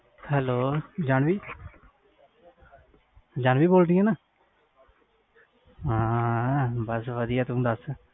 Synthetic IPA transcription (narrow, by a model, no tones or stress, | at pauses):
hɛːloːd͡ʒaːɳʋiː | d͡ʒaːɳʋiːboːld̪ɪjãːnãː | ɦãː | bəsʋəd̪ɪjaːt̪ʊ̃d̪əs